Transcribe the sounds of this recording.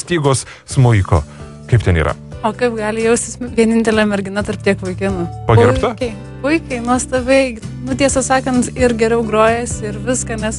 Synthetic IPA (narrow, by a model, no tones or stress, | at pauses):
sʲt̪ʲiːɡoːs | smʊɪko̰ | kɐɪp̚t̪ʲɛniːɾɐ̰ | oːkɐɪpɡɑːlʲɪjɛʊsʲt̪ʲɪsʋʲiɛnʲɪnʲt̪ʲɛlʲɛmʲɛɾʲɡʲɪnɐt̪ɐrp̚tʲiɛkʋʊɪkʲɪnʊpɐɡʲɪɾpt̪ɐkʲɛɪ | pʊɪkʲɐɪnuɔst̪ɐbʲɛnʊt̪ʲiɛsɐsɑːkɐnt̪ɪɾɡʲɛɾʲɛʊɡɾoːjɛsʲɪɪɾʋʲɪskɐnʲɛs